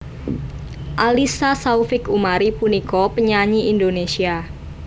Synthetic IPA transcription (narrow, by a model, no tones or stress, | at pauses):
ʔalisasaufɪkumaɾipunikɔpəɲaɲiindonesia